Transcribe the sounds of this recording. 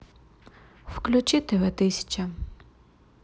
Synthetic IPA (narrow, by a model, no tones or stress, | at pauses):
wklʲʊt͡ʃɪt̪ɪʋɪt̪ɪsʲɐ̥t͡ʃɐ